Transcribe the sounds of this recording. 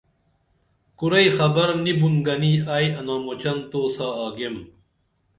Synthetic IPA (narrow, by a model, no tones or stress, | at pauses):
kuɾɐjxɐbɐɾnibunɡɐniːaːjɐnaːmot͡ɕɐnt̪oːsaːaːɡem